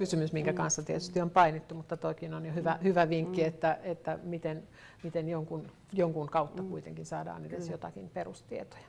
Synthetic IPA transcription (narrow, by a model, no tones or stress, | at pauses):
kysymysmiŋkækɑnsːɑt̪iet̪yst̪iompɑinit̪ːumut̪ːɑt̪oikinonjohyʋæhyʋæʋiŋkːiet̪ːæet̪ːæmit̪en | mit̪enjoŋkun | joŋkuŋkɑut̪ːɑkuit̪ḛŋkinsɑːdɑ̰ːnedesjot̪ɑkinperust̪iet̪o̥jɑ̥